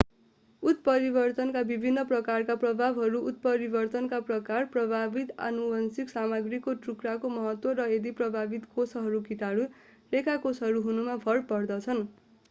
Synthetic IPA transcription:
ut̪pʌɾibʌrt̪ʌnkabibʱinːʌprʌkarkaprʌbʱabɦʌɾuʔːt̪̚pʌɾibʌrt̪ʌnkaprʌkarprʌbʱabit̪a̰nuwʌnsiksamaɡrikoʈrukɾakomʌɦʌt̪wʌɾʌed̪iprʌbʱabit̪kosɦʌɾukit̪aɽu | lekʰakosɦʌɾuɦunumapʰʌɽpʌrd̪ʌt͡sʰʌn

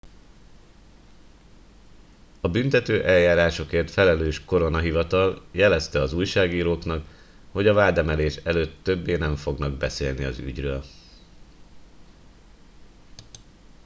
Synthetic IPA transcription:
ɒbynt̪ɛt̪øːʔɛljaːɾaːʃo̞keːrt̪fɛlɛløːʃko̞ɾo̞nɒɦivɒt̪ɒljɛlɛst̪ɛɒzuːjʃaːɡiːɾoːknɒk | ho̞ɟɒvaːd̪ɛmɛleːʃɛløːt̪ːø̞bːeːnɛɱfo̞ɡnɒɡ̚bɛsḛːlniɒ̰zy̰ɟrøːl

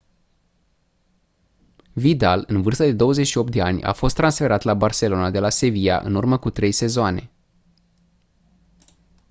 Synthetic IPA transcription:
vid̪alɨnvɨrst̪əd̪e̞d̪o̞wəze̞t͡ʃʃio̞p̚t̪d̪e̞anʲa̰fo̞st̪ːɾansfe̞ɾat̪labarse̞lo̞nad̪e̞lase̞vija̰ʔɨ̰nurməkut̪ɾe̞jse̞zoane̞̰

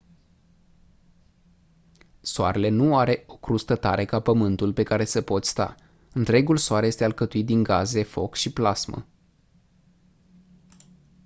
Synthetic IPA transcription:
soa̰ɾe̞le̞nuaɾe̞o̞kɾust̪ət̪aɾe̞kapəmɨnt̪ulpe̞kaɾe̞səpo̞t̪sʲst̪a̰ | ɨnt̪ɾe̞ɡulsoaɾjest̪e̞alkət̪uit̪̚d̪iŋɡaze̞fo̞̰kʃiplasmə̰

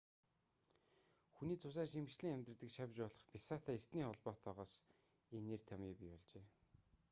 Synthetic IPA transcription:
xuniːt͡sʰʊs̬æːʃ̬imɘ̆xt͡ɕɮɘ̆ŋæmʲt̪rə̆t̪ɘ̆kʃapʲt͡ɕpɔɮɞ̆χpʲisaːt̪ʰæːest̪niːχɔɮpɔːt̪ʰɔːʁɔːs | eneːrt̪ʰamiːpʲipɔɮt͡ɕeː

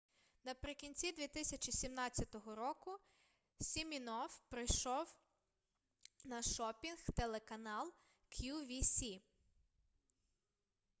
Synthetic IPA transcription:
nɐpɾɪkʲinʲt͡sʲid̪ʲʋʲit̪ɪsʲɐt͡ʃisʲimnɑt͡sʲːɐt̪ɔɦɔɾɔkʊ | sʲimʲinɔwpɾɪjʃɔw | nɐʃɔpʲinxt̪elˠekɐnɑlˠ | kʰjuʋʲisʲi

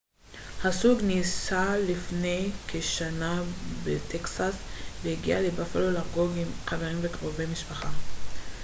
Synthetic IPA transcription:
hasuɡnisalifnejkʰeʃanabetʰeksaslehiɡḭalebafelolaʁɡoɡimχaveʁimvekʁovejmiʃpaχa

